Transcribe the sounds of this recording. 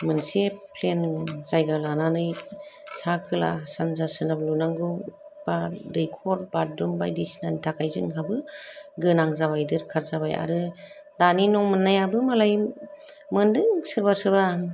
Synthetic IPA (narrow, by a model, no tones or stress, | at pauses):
mɯnsepʰlenz̥ajɡalananɯj | sakʰɯla̰sanzasɯnablunaŋɡu | b̥adɯjkʰɔɾbaɾdɾɯmbajdisnanitʰakʰajzɯŋɦabɯɡɯnaŋzaβajdɯɾkʰaɾzaβa̰ja̰ɾɯ | daninɔŋmɯnːajabɯmalaj | mɯndɯŋsɯɾbasɯɾba